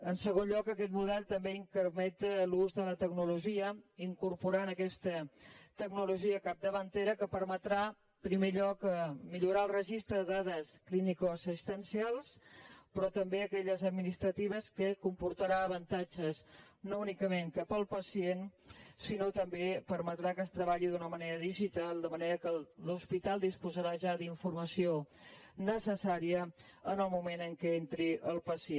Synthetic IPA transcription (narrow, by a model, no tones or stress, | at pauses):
ənsəɣ̞onʎɔkəkɛt̪muðɛlˠt̪əmbeiŋkəɾmɛt̪əluzðələt̪əɡnuluʒiəiŋkuɾpuɾanəkɛst̪ət̪əɡnuluʒiəkap̚d̪əβənt̪eɾəkəpəɾmət̪ɾa | pɾimeʎɔkəmiʎuɾaəlˠrəʒist̪ɾəðaðəsklinikosist̪ənsialˠspɾɔt̪əmbeəkɛʎəzəd̪minist̪ɾət̪iβ̞əskəkumpuɾt̪əɾaəːβ̞ənt̪ad͡ʒəz | nounikəmeŋkapəlˠpəsiensinot̪əmbepəɾmət̪ɾakəst̪ɾəβaʎiðunəməneɾəðiʒit̪alˠd̪əməneɾəkəluspit̪alˠd̪ispuzəɾaʒaðiɱfuɾməsionəsəsaɾiə | ənəlˠmumenəŋkɛent̪ɾiʔəlˠpəsie